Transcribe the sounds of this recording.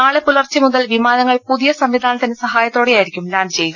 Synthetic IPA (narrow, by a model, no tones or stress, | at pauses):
aːɭepulɐrt͡ɕːɐmuðɐlʋimaːnɐŋːɐɭpuðijɐsɐmʋid̪ʱaːnɐt̪ɐnːesɐɦaːjɐt̪ːo̞ːɽejaːjiɾikʲːumlaːnd̪t͡ɕejuɣɐ